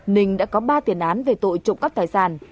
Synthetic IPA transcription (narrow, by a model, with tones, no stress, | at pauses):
nï˨˩ŋ̟ɗa̰ː˧˥kɔ˨˦ɓaː˧t̪i˨˩ənʔaː˨˦nve˨˩t̪o̰˧˨jt͡ɕʊ̰˧˨ŋ͡mkaː˦˥k̚t̪aː˨˩jsaː˧˩n